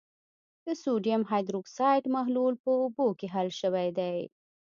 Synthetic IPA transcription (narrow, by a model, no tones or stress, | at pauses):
d̪̥əsuɖijamɦajd̪ɾuksɑjʈmaɦlulpəʊbokeɦalʃəwajd̪aj